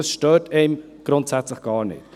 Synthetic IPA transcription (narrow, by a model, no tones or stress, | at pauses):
əsʃtøːteɪm | ɡ̥ɾʊntsɛt͡sləχɡ̥ɑːɾnɪ̰t